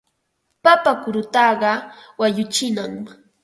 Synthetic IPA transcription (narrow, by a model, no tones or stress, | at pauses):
papakʊɾʊt̪ɑɢɑwajʊt͡ʃɪnaŋ